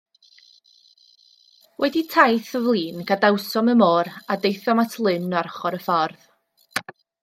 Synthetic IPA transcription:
wʔɛditʰajθəvlˠiːnɡ̥adawsɔməmoːɾadejθɔmatʰlˠɨnːarχɔɾəfɔrð

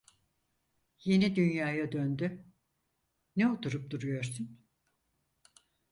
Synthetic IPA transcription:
je̞nid̪ynjaːjad̪ønd̪y | nɛot̪ʰuɾup̚d̪uɾujo̞ɾsun

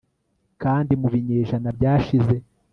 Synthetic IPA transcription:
kaːndimuβiɲeːʒanabɟaːʃize̞

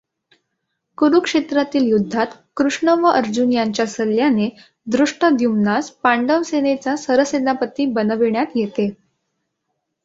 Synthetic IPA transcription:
kuɾukʂet̪ɾat̪iːljud̪ʱːat̪kɾuʂɳəʋəʔəɾd͡ʑunjaɲt͡ɕjasəljane | d̪ɾuʂʈəd̪jumnaspaɳɖəʋsenet͡sasəɾəsed̪apət̪iːbənəʋiɳjat̪jet̪e

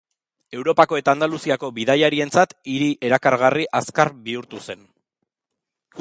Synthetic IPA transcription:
e̞wɾo̞pako̞e̞t̪aːnd̪alusiako̞βiðajaɾie̞nt͡sat̪iɾiʔe̞ɾakaɾɣariʔaskaɾbiuɾt̪use̞n

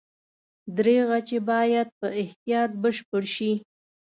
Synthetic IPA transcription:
d̪ɾeɣat͡ʃebɑjad̪̚pəɪht̪ijɑt̪̚bəʃpəɽʃi

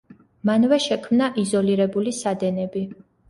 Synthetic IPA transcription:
manvɛʃɛkʰmnaʔizɔliɾɛbulisad̪ɛnɛbi

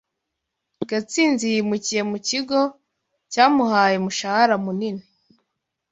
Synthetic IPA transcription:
ɡat͡siːnzijimucije̞muciɡo̞ | caːmuɦaːjemuʃahaɾamunine

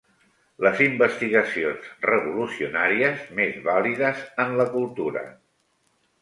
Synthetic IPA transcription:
ləzimbəst̪iɣəsionzrəβulusiunaɾiəzmezβaliðəzənləkulˠt̪uɾə̰

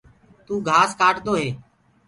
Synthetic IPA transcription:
t̪uːɡʱaːskaːʈd̪oːɦeː

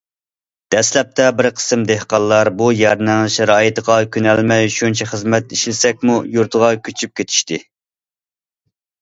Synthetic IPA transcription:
d̪̥ɛslɛp̚t̪ʰɛbɪɾqʰə̥sɨmd̪ehqɑlˠːɑɾbujɛɾnæŋʃɾɑːjit̪ʰəʁɑkʲynɛlmɛjʃunt͡ʃʰɛχəzmɛt̪iʃlɪsɛk̚ʲmujuɾt̪ʰəʁɑkʲʰyt͡ʃʰyp̚kʲʰet̪ʰi̥ʃt̪ɪ

